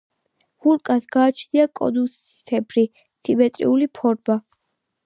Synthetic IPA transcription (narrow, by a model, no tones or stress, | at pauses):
vulkʼasɡ̥aːt͡ʃʰniakʼɔ̰d̪usʰ | ɛbʰɾi | t̪ʰibɛt̪ʼɾḭulipʰɔɾba